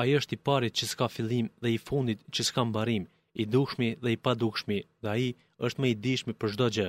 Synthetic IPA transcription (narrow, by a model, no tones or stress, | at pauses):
aiəʃt̪ipaɾit̪̚t͡ɕəskafilˠimðɛifund̪it̪t͡ɕəskambaɾim | id̪uʃmiðɛipad̪ukʃmiðɛai | əʃt̪mɛid̪iʃmipəɾʒd̪ɔd͡ʑə